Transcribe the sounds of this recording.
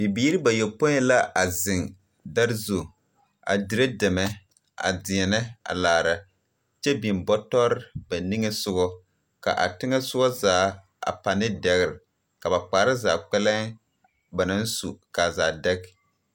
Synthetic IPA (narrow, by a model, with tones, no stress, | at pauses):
bi˨biː˦ɾɪ˦ba˨jɛ˨po˦ɲɛ˦la˦ʔa˨zɪ˨ŋ | da˦ɾzo˨ | a̰˨di˨ɾe˦dɛ˨mɛ˦ | a̰˨dɪ˨ɛ˨nɛ˦a̰˨laː˨ɾa˨ | t͡ʃɛ˦bi˨mbɔ˦tɔ˦ɾɪ˦ba˨ni˦ŋɛ˦sʊ˦ɡɔ˦ | ka̰˨ʔa̰˨tɪ˦ŋɛ˦sʊ˦ɡɔ˦zaː˨˦ | a̰˨pa˨nɪ˦dɛ˨ɣɪ˨ɾɪ˨ | ka˨ba˨k͡paː˨˦ɾɪ˦zaː˨k͡pɛ˦lɛ˦ŋ | ba˨na˦n˦su˨ka˨zaː˨dɛ˦k